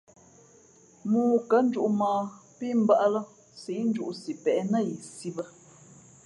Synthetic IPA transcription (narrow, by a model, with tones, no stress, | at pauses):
muː˨kə˨˦n̩˦d͡ʒu˦ʔmaː˨pi˦m̩˦ba˦ʔlə˦ | si˨˦n̩˦d͡ʒu˦ʔsi˨pɛ˨˦nə˦˨ji˨si˦bə˦